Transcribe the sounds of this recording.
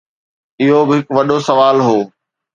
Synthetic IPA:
ɪɦobɪɦɪkʋɐɗosɐʋaːlɦoː

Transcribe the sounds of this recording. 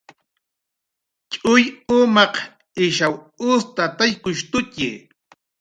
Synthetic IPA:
t͡ʃʼʊjʊmɑq | ɪʃaw | ʊst̪at̪ajkʊʃt̪ʊcɪ̰

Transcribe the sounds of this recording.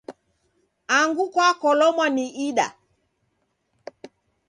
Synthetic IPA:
aŋɡukwakɔlɔmwaniʔiɗa̰

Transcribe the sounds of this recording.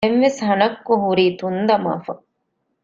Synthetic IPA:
enʋeshɐnɐkːuɦuɾiːt̪und̪ɐma̰ːfɐ

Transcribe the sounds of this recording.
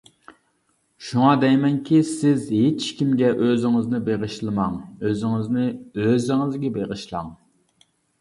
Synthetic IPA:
ʃuŋɑd̪ɛjmɛnkʲʰisɪzhet͡ʃkʲʰimɡʲɛʔøzɪŋɪznɪbeʁəʃlˠɨmɑŋøzɪŋɪznɪøzɪŋɪzɡʲɛbeʁəʃlˠɑŋ

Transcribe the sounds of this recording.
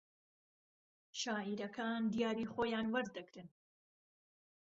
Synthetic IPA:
ʃaːiɾɐkʰaːnd̪ijaːɾiːχoːjaːnwɐɾd̪ɨɡɾɨn

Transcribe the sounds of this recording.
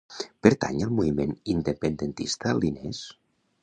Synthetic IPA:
peɾt̪a̰ɲəlˠmuimenind̪epend̪ent̪ist̪alines

